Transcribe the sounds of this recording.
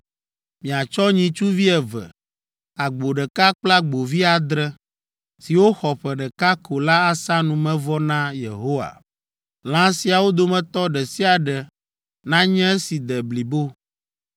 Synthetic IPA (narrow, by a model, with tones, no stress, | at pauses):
mĩ˨a˨t͡ʃɔ˦ɲĩ˨t͡ʃu˦vi˦ɛ˨vɛ̰˨ | a˨ɡ͡bo˨ɖɛ˨ka˦k͡pla˦ɡ͡bo˨vi˦a˨d̪ɾɛ˦ | si˨wo˦xɔ˨ɸɛ˨ɖɛ˨ka˦kʰo˨la˦a˨sa˦nũ˨mɛ̃˦vɔ˦nã˦jḛ˨ɦo˦wa̰˨ | l̃ã˦si˨a˨wo˦d̪o˨mɛ̃˨t̪ɔ˦ɖɛ˨si˦a˨ɖɛ˨ | nã˦ɲɛ̃˦e˦si˨d̪ɛ˨bli˨bo˦